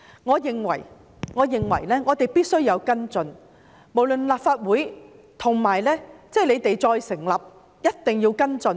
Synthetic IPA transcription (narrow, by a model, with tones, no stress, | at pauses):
ŋɔː˨˧jɪ˨ŋwɐ̰˨˩j | ŋɔː˨˧jɪ˨˩ŋwɐ̰˨˩jlɛː˥ŋɔː˨˧t̪e˨jpiː˥t̚sɵ˥ɥjɐ˨˧wkɐ˥nt͡sɵ˧n | mo˨˩wlɵ˨nlaː˨p̚faː˧t̚wuː˨˥j | t̪ʰʊ˨˩ŋmaː˨˩jlɛː˥t͡sɛː˥˩jle˨˧jt̪e˨jt͡sɔː˧jsɪ˨˩ŋlɐ˨p̚ | jɐ˥t̚t̪ɪ˨ŋjiː˧wkɐ˥nt͡sɵ˧n